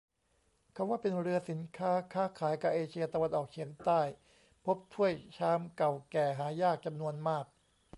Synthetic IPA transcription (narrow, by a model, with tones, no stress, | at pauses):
kʰa˧˥˦waː˥˩pe˧nɾɯ˧ɐsi˩˦nkʰaː˦˥kʰaː˦˥kʰaː˩˦jka˨˩ʔeː˧t͡ɕʰi˧ɐt̪a˧wa˧nʔɔː˨˩k̚t͡ɕʰi˩˦əŋt̪aː˥˩j | pʰo˦˥p̚t̪ʰu˥˩əjt͡ɕʰaː˦˥mka˨˩wkɛː˨˩ɦaː˩˦jaː˥˩k̚t͡ɕa˧mnu˧ənmaː˥˩k̚